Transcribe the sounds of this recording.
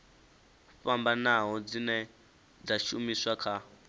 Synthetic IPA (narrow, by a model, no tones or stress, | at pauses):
uɸambanaɦɔd͡zinɛ | d͡zaʃumiswakʰa